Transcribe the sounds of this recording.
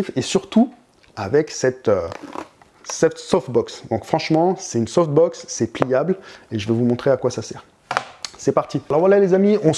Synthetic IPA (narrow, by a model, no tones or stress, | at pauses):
fesyʁt̪u | avɛksɛt̪ø | sɛfsɔft̪̚bɔksd̪ɔ̃kfχɑ̃ʃmɑ̃sɛt̪ynsɔft̪̚bɔksːɛplijableʒəvɛvumɔ̃t̪χeakwasasɛːʁ | sɛpaʁt̪ialɔʁvwalalezamiɔ̃